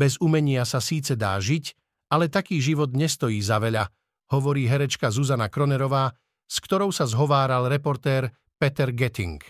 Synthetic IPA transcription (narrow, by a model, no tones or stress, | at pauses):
bɛzumɛɲɪasasiːt͡sɛd̪a̰ːʒic | ʔalɛt̪akiːʒiʋɔd̪ɲɛst̪ɔjiːzaʋɛʎa | hɔʋɔɾiːɦɛɾɛt͡ʃkazuzanakɾɔnɛɾɔʋaː | skt̪ɔɾɔʊsazɦɔʋaːɾalɾɛpɔɾt̪ɛːɾ | pɛt̪ɛɾɡɛt̪ḭŋk